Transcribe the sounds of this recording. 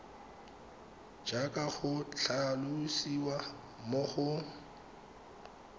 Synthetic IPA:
d͡ʒakʼaɣʊt͡ɬʰalʊsiwa | mʊɣʊ

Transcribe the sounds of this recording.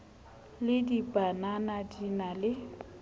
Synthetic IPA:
lɪdibʼananadinalɪ

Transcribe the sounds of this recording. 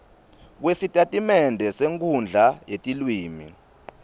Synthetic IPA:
k̬wesitʼatʼimɛndʱɛseŋkʰund͡ɮʱajetʼilwiːmḭ

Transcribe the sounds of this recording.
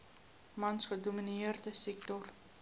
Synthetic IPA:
mɐnsχəduminiərdəsɛk̚tɔr

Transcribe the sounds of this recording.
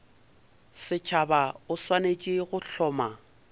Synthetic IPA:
sɪt͡ʃʰabaʊswanet͡ʃʼɪɣʊɬʰɔːma

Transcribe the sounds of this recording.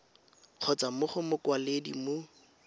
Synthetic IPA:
q͡χʰɔt͡samʊχʊmʊkwaledḭmʊ

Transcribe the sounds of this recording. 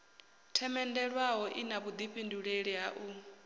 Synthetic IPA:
tʰɛmɛndɛɺwaɦɔʔinaβud̪iɸʼinduɺeɺiɦaʔu

